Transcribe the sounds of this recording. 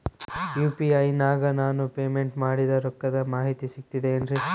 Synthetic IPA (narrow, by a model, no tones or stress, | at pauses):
juːpiɐjnaːɡɐnaːnupeːmeɳʈmaːɽid̪ɐɾɔkːɐd̪ɐmaːɦit̪isik̚t̪id̪eːndɾi